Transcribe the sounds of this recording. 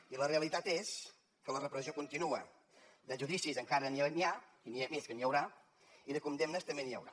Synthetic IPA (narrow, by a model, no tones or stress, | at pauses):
iləreəlit̪at̪es | kələrəpɾəziokunt̪inuə | d̪əʒuðisizəŋkaɾəniənia | iniemeskəniəwɾa | iðəkund̪emnəst̪əmbeniə̰wɾa